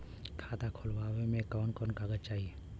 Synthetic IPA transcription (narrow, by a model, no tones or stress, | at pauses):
kʰaːt̪akʰoːlʋaːwemẽkɔːnkɔːnkaːɡət͡ʃaːɦieː